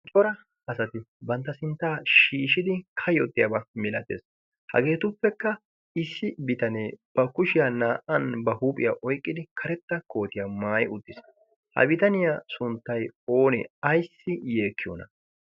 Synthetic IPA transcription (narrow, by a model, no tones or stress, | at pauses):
t͡ʃʼɔɾɐ | ɐsɐt̪ɪbɐnt̪ːɐsɪnt̪ːaːʃiːʃɪd̪ɪkʰɐjɔt̪ːɪjabɐmɪlɐt̪ːḛːs | hɐ̰ɡe̞ːt̪ʊpːɛkːɐ | ɪsːɪbɪt̪ɐneːb̥ɐkʊʃɪjanaːʔɐnbɐhuːpʼɪjaʔɔjkʼːɪd̪ɪkʰɐɾɛt̪ːɐkʰo̞ːt̪ɪjamaːjɪʊd̪ːɪs | hɐ̰bɪt̪ɐnɪjasʊnt̪ːɐjo̞ːnɛ̰ɐjsːɪje̞ːkʰːɪjo̰ːnɐ̰